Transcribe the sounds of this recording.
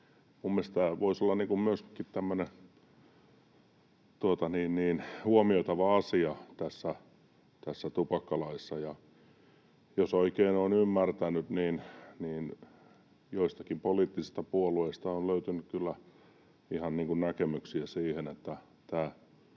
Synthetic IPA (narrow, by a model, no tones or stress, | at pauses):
mummielst̪æːʋoisolːɑnniːŋkummyøskit̪t̪æmːøne | t̪uot̪ɑniːnniːnhuomioit̪ɑʋɑɑsiɑt̪æsːæ | t̪æsːæt̪upɑkːɑlɑisːɑjɑ | josoikeinoːnymːært̪ænyt̪niːnniːn | joist̪ɑkimpoliːt̪ːisist̪ɑpuolueist̪ɑonløyt̪ynykkylːæ | ihɑnniːŋkunnækemyksiæsiːhenet̪ːæ | t̪æː